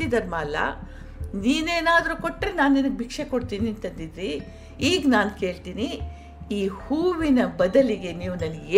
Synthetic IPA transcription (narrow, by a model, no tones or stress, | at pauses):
id̪ɐɾmaːlːɐ̰ | niːneːnaːd̪ɐɾuːko̞ʈːɾinaːnːinɐɡbʱikʂeko̞ɽt̪iːniɐnt̪ɐnd̪id̪ɾi | iːɡnaːnke̞ːɭt̪iːni | iːhuːʋinɐbɐd̪ɐliɡe̞niːʋunɐnːɡeː